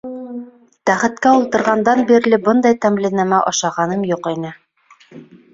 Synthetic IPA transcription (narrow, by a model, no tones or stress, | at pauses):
t̪æχɘ̆t̪kæulˠt̪ɤ̆ɾʁɑnd̪ɑnbiɾ̆lɘbɤnd̪ɑjt̪æmlinæmæʔɑʃɑʁɑnɤmjuqinɘ